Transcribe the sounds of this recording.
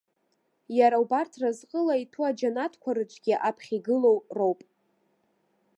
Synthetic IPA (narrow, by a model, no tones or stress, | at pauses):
jaɾawbartʰrazqʼəlaitʰuad͡ʒanatʰkʷʰaɾɨt͡ʃʷʰʼɡʲiʔapʰχʲiɡɨlo̞wrowpʼ